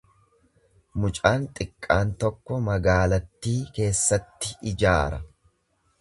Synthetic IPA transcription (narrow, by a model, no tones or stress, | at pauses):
mʊt͡ʃʼaːnt̪ʼɪkʼːaːnt̪ɔkːɔmɐɡaːlɐt̪ːiːke̞ːsːɐt̪ːɪɪd͡ʒaːɾɐ